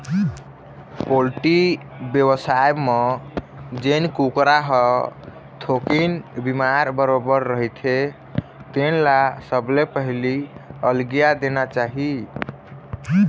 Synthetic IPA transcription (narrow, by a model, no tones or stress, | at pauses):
polʈi | bjewəsaeme | d͡ʒenkukɾaɦə | t̪ʰokinbimaɾbəɾobəɾːəɦt̪ʰe | t̪enlasəblepəɦliəlɡijad̪enat͡ʃaɦi